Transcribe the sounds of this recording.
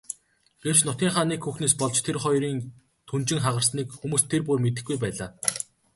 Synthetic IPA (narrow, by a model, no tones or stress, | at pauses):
ɡ̥ew̥t͡ɕnʊt̪ʲiːŋχaːniːkxuxneːspɔɮt͡ɕt̪ʰerχɔjɾiːn | t̪ʰunt͡ɕɪ̆ŋχaʁə̆rsniːkxumuːst̪ʰːerpuːrmet̪ɘ̆xɡujpæːɮaː